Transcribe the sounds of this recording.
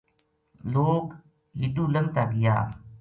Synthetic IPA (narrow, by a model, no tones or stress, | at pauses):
loːɡ | lɪʈ̪uːləŋ̚t̪aɡɪja̰ː